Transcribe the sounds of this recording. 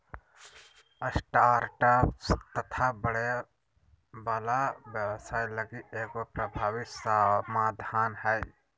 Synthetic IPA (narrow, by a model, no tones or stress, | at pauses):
əsʈaːɾʈəpst̪ət̪ʰabəɽe | bəlaʋjəwsaːjləɡiʔeːkopɾəbʱaːwɪt̪samaːd̪ʱaːnɦɛj